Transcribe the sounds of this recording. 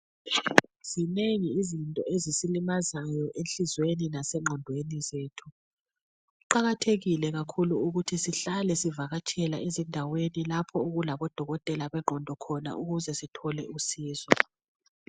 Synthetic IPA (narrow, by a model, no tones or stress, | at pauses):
z̥ineŋiːzintʼɔezisilimazajɔʔenɬizweninasɛŋ͡ǃʱɔndʱwenizeːtʰu | ɣuǃaɣatʰeɣilɛɣakʰuluuɣutʰisiɬalɛsivaɣat͡ʃʼʰɛla̰ezindʱawenilapʰɔuɣulaβɔd̥ʱɔɣɔtʼɛlaβɛŋ͡ǃʱɔndʱɔkʰɔna̰ʔuɣuzɛsitʰɔlɛusiːzɔ